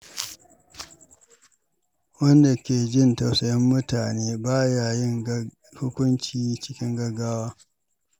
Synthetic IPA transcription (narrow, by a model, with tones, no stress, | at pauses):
wɐ˦nda˨kʲeː˨d͡ʒɪ˦nta˨wsɐ˨jɪ˦mːʊ˦taː˨neː˦baː˦jaː˨jɪ˦ŋ | hʊ˦kʷʊ˦nt͡ʃiː˦t͡ʃɪ˦kʲɪ˦ŋɡɐ˨ɡaː˦waː˦